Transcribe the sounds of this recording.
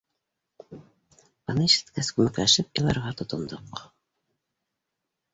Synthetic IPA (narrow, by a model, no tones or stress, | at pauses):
ɑnɤʃɘ̥̆t̪kæskŭmɘ̆klæʃɘp̚ilˠɑɾʁɑt̪ŏt̪ɤ̆nd̪ɤq